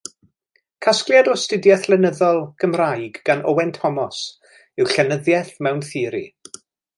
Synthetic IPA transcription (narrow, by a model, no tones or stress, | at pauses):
kʰaskljadɔstɪdjɛθlˠɛnəðɔlˠɡ̥əmrajɡɡ̥anɔwɛntʰɔmɔs | ɪwɬɛnəðjɛθmɛwnθɪːɾi